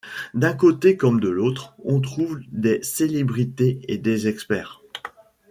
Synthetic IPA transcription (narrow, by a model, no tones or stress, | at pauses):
d̪ɛ̃kot̪ekɔmd̪əlot̪χɔ̃t̪χuvd̪eselebʁit̪eed̪ezɛkspɛːʁ